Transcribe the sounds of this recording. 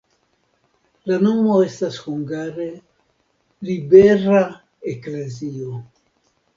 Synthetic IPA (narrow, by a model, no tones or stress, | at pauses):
lano̞mo̞e̞stashuŋɡaɾe̞ | libe̞ɾa | ekle̞zio